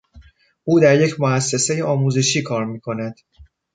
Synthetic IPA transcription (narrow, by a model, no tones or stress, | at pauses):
ʔuːd̪æɾje̞cʰmoæsːe̞se̞jeɒːmuːze̞ʃiːkʰɒːɾmiːkʰo̞næd̪̥